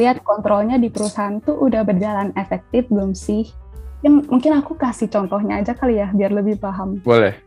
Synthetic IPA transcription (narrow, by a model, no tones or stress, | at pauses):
liɦat̪̚kɔnt̪ɾɔlɲadipəɾusaɦant̪uʔudahbərd͡ʒalanefɛk̚t̪ɪfɡʊmsɪhaŋmuŋkɪnakukasɪt͡ʃɔnt̪ɔɦɲaːd͡ʒakalijahbiarləbɪhpaɦambolɛh